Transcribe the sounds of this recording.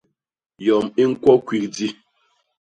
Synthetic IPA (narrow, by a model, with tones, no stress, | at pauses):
jɔ˨mi˦ŋ̩˦kwɔ˦kwi˨k̚di˦